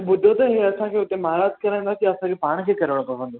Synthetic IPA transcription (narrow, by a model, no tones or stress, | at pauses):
bʊd̪ʱot̪ɐɦeɐsãkʰeːʊt̪emaːɾaːd͡ʑkɐɾãj̃nd̪aːsijaɐsãkʰepaːɽ̃kʰeːkɐɾʋəɽ̃opɐsə̃nd̪oː